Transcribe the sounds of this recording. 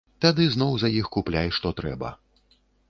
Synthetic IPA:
t̪ad̪ɨznɔwzɐjixkuplʲajʂt̪ɔt̪ɾɛ̰bɐ̰

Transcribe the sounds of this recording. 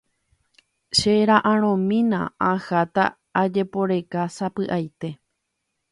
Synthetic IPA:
ʃeɾaʔãɾ̃õmĩnã̰ãhat̪a̰ː | d͡ʒe̞po̞ɾe̞kasapɨʔajt̪e̞

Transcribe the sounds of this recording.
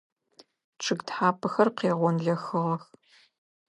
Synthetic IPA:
ʈ͡ʂʰɨɡtħaːpʰɐxɐrqeːʁʷɔnɮɐxɨʁɐx

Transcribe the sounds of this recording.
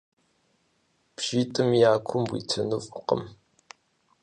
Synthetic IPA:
pʒiːtʼɨmjaːkʷʰʊmbʷḭtʰɐnufʼʊqə̰m

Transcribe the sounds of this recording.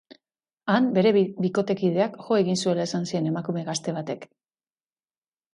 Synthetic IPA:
ambe̞ɾe̞biko̞t̪e̞kið̞e̞akʝo̞e̞ɣinsue̞lae̞sansie̞ne̞makume̞ɣast̪e̞β̞at̪e̞k

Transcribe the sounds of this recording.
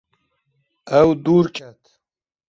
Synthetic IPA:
awd̪uɾkat̪

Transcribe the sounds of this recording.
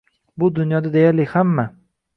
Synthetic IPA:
bʊd̪ʊnjɒd̪ad̪ejaɾlɪhamːa

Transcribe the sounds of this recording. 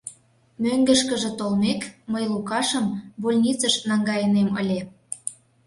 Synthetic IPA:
møŋɡə̆ʃkə̆ʒĕt̪olmekməjlukɑʃə̆mβolʲnʲit͡səʃnɑŋɡɑjənemə̰lʲe

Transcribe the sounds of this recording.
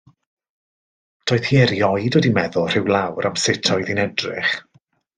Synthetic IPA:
d̥oːɨðhiːɛɾjɔjdwɛdimɛðʊlˠr̥ɪwlˠawɾamsɪtʰɔɨðinɛdrɪ̰χ

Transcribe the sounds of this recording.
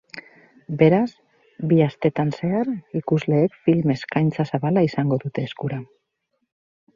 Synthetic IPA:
be̞ɾas | biast̪e̞t̪anse̞aɾikuzle̞ːkfilme̞skajnt͡sasaβalaisaŋɡo̞ðut̪e̞ːskuɾa

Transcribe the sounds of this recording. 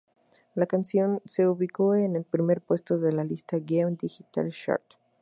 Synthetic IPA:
lakansjo̞nse̞uβiko̞ene̞lpɾime̞ɾpwe̞st̪o̞ðe̞lalist̪aɡeund̪ixit̪a̰lʃa̰ɾt̪

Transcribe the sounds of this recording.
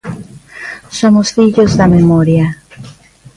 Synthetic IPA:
somosfiʎozðɐmemoɾjɐ

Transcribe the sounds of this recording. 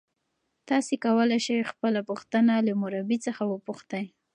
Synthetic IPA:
t̪ɑsekawəlajʃajxpəlapuxt̪ənalamʊɾabit͡səxawəpuxt̪aj

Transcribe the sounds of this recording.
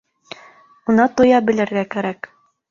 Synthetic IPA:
unɑt̪ŏjɑbɘ̆lɘ̆ɾɡækæɾæk

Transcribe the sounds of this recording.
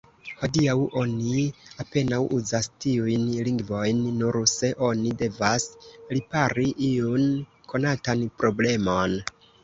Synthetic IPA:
ho̞diawʔo̞niape̞nawʔuzastiujnliŋɡvo̞jnːuɾse̞ʔo̞nide̞vaslipaɾiʔion | kʰo̞natanpɾo̞ble̞mo̞n

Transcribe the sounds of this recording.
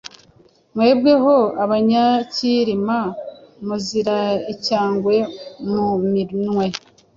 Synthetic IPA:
mwe̞ːbɡe̞ɦo̞aβaɲaciɾimamuziɾaicaːŋɡwe̞muminŋwe̞

